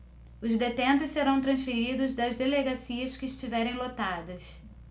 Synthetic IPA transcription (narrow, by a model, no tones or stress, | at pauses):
ʊzd̪et̪ẽnt̪ʊsseɾɐ̃w̃t̪ɾɐ̃sfiɾid̪ʊzd̪ɐzd̪eleɡasiɐskɪːʃt͡ʃivɛɾẽj̃lot̪ad̪ɐs